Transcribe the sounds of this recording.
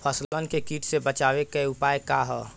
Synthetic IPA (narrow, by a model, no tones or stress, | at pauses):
pʰəslənkekiːʈsebət͡ʃaːwekəeʊpaːekaɦɛ